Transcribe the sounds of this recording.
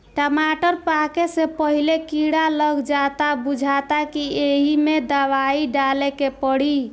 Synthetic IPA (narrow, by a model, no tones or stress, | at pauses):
ʈəmaʈəɾpakesepəɦilekiɽaləɡd͡ʒat̪abud͡ʒʱat̪akieɦimed̪əwaiɖalekepəɽ̤i